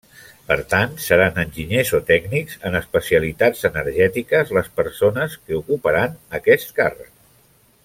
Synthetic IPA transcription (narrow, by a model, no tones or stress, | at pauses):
pəɾt̪ant̪səɾanənʲʒiɲezot̪ɛɡnikzənəspəsiəlit̪ad͡zənəɾʒɛt̪ikəzləspəɾsonəskəukupəɾanəkɛst̪karə̰k̚